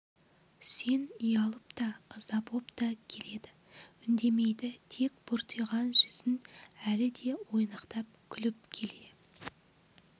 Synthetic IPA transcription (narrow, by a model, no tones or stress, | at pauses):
se̞nijɑlˠəpt̪ɑəzɑbo̞pt̪ɑkʲʰe̞le̞d̪ɪ | ʏnd̪e̞me̞jd̪ɪt̪ʰe̞kb̥ʊɾt̪ʰəjʁɑnʒʏzɪnælɪd̪e̞wo̞jnɑqt̪ɑp̚kʲʰʏlɪp̚kʲʰe̞le̞